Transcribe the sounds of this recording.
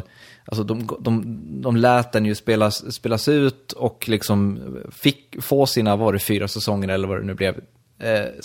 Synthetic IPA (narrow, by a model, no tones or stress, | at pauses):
ʔals̬ɔd̪ɔmɡd̪ɔmd̪ɔmlɛːt̪̚d̪ɛnjɵspeːlaspeːlasʉ̟ːt̪ɔklɪksɔmfɪkːfoːsiːnavaɖɛfyːɾasɛsɔŋːəɾɛlːəɾvad̪ɛ̰nʉ̟ːblɛv